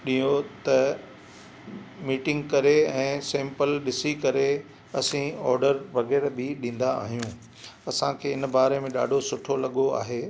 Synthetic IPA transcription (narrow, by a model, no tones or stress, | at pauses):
ɗĩjot̪ɐ | miːʈɪ̃ŋɡkɐɾeɛ̃ːsɛ̃ːmpəlɗɪsikɐɾe | ɐsĩɔːɾɖəɾʋɐɡeːɽbɪɗĩːn̆d̪a̰ːɦijũː | ɐsãkʰeːɪnbaːɾemẽɗa̰ːɖʱosʊʈʰolɐɠoa̰ːɦeː